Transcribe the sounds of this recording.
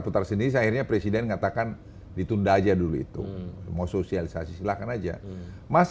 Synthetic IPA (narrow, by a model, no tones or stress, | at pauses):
put̪arsəndiɾisahirɲapɾesidɛnŋat̪akan | dit̪undad͡ʒaduluḭt̪ṵmausosialisasisilahkanad͡ʒa̰ | mas